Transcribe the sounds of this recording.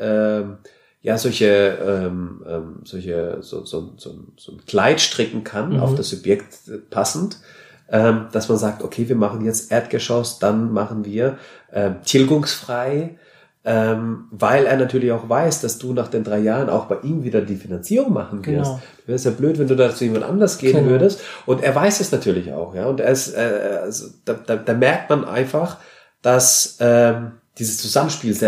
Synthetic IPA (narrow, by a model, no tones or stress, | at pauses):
ʔɛːm | jaːzɔlçəɛːmʔɛ̰ːmz̥ɔlçə̰zo̰ːzo̰ːnz̥o̰ːnz̥o̰ːnkʰl̥aɪtʃtʁ̥ɪkŋ̩kʰana̰ʊfd̥asz̥ʊbjɛktpʰasn̩t | ʔɛːmd̥asmanzaːk̚tokʰeːviːɐmaχn̩jɛt͡stʔeːɐtɡ̥əʃɔsd̥anmaχn̩viːɐʔɛːmtʰɪlɡʊŋsfʁ̥aɪ | ʔɛːmvaɪleːɐnatʰyːɐlɪçaʊxv̥aɪsd̥asd̥uːnaːχd̥eːndʁaɪjaːʁəna̰ʊxb̥aɪʔiːmviːdɐdiːfinant͡siːʁʊŋma̰χn̩vɪɐstd̥vɛːdəsjaːbløːtvɛnduːdaːt͡sujeːmantʔa̰ndɐsɡ̥eːənvʏɐdəstʔʊnteːɐvaɪsɛsnatʰyːɐlɪça̰ʊxjaːʊnteːɐɪstɛ̰alzod̥ad̥aːd̥aːmɛɐk̚tmanʔa̰ɪnfaχ | d̥asʔɛːm | d̥iːzəst͡suzamənʃpiːls